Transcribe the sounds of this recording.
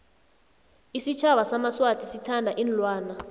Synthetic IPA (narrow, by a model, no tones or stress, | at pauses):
isit͡ʃʰaɓasamaswatʰʼisitʰandʱaʔin̩lwaːna